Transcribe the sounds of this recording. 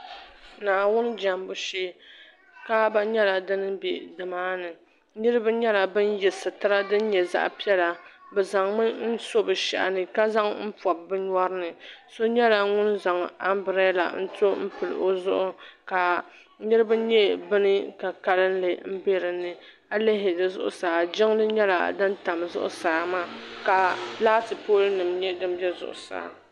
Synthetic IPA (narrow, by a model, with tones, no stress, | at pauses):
naː˨wʊ˦n˦d͡ʒa˨mbʊ˨ʃeː˦ | ka˦ba˦ɲɛ˦la˨dɨ˦nɨ˦be˨dɨ˨maː˦nɨ˨ | nɨ˦ɾɨ˦bɨ˦ɲɛ˦la˨bɨ˦n˦jɛ˨sɨ˨tɨ˦ɾa˦dɨ˦n˦ɲɛ˨za̰˦ʔpi˦ɛ˦la˨ | bɛ˨za˨ŋmɨ˦n̩˦so˦bɨ˨ʃɛ̰˦ʔa̰˨nɨ˨ka˦za˦ŋm̩˦pɔ˨b̚bɨ˦ɲ˦ɔ˦ɾɨ˦nɨ˨so˦ɲɛ˦la˨ŋʊ˦nza˨ŋa˦mbɾɛ˦la̰˨n̩˦to˦m̩˦pɨ˨lɨ̰˨ʔo˦zʊ̰˦ʔʊ˦ka˨ | ɲɨ˦ɾɨ˦bɨ˦ɲɛ˦bɨ˦nɨ˦ka˨ka˦lɨ˦n˦lɨ˨m̩˦be˦ɾɨ˨nːɨ˨ | a˦le˦ɦɪ˨dɨ˨zʊ̰˦ʔʊ̰˨saː˨d͡ʒɪ˦ŋlɨ˦ɲɛ˦la̰˨dɨ˦n˦ta˨mzʊ̰˦ʔʊ̰˦saː˨maː˦˨ka˨laː˦tɨ˨poː˦lnɨ˨mɲɛ˦dɨ˦m˦bjɛ˦zʊ̰˨ʔʊ̰˨sa̰ː˨˦